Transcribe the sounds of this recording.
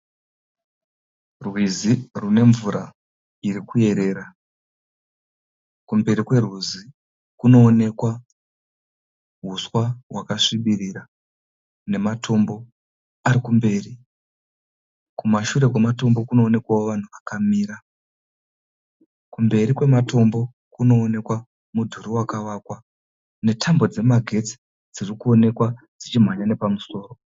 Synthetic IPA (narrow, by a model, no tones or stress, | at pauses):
rwizirune̞ɱvuɾa | iɾikuje̞ɾe̞ːɾa | kumbe̞ɾikwe̞rwuzi | kuno̞ːne̞kwa | ɦuswawakaʂiɓirira | ne̞matʰo̞mbo̞ | aɾikumbe̞ːri | kumaʃuɾe̞kwemato̞mbo̞kuno̞ːne̞kwawoʋan̤uʋakamiːra | kumbe̞ɾikwe̞mato̞mbo̞ | kuno̞ːne̞kwa | mudʱuɾiwakaʋaːkwa | ne̞tʰambo̞d͡ze̞maɡʱe̞t͡si̥ | d͡zirikuo̞ne̞kwa | d͡zit͡ʃim̤waɲane̞pamuso̞ːro̞